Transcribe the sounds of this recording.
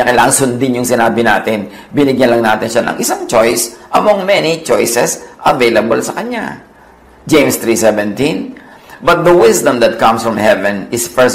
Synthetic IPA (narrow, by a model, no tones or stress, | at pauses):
ɐkɐlaːʔɐŋsʊnd̪ɪnjʊŋsɪnaːbɪnaːt̪ɪn | bɪnɪɡjɐnlɐŋnaːt̪ɪnʃanɐ̰ŋʔɪsaŋt͡ʃojsʔɐmoŋmɛnit͡ʃojsɛsʔɐvejlɐbolsɐkɐɲa̰ | d͡ʒẽjmst̪ɹisɛvɛ̃nt̪ĩn | bɐt̪̚d̪ɐwɪsd̪ɐ̃md̪ɐt̪̚kɐ̃msfɹɐmhɛvɛ̃nɪspɛs